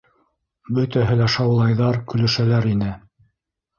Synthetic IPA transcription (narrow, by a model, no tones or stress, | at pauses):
bɵt̪æɦɘlæʃɑwlˠɑjðɑɾkɵ̆lɵ̆ʃælæɾinɘ